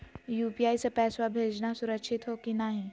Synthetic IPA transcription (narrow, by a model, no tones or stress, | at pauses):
juːpiaːisepɛːswabʱeːd͡ʒnasʊɾəkʃʰɪt̪ɦokinaɦĩ